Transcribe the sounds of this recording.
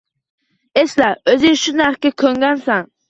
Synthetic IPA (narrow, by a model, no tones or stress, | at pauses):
eslæøzɪŋʃunæɾχkʲɛkʲʰøŋɡʲɛnsɛŋ